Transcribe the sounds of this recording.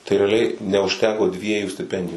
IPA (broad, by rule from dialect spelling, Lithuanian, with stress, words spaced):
tɐɪ rʲɛɐˈlʲɛɪ nʲɛʊʃʲˈtʲæːkoː ˈdʲʋʲiɛjuː sʲtʲɪˈpʲɛnʲdʲɪjʊ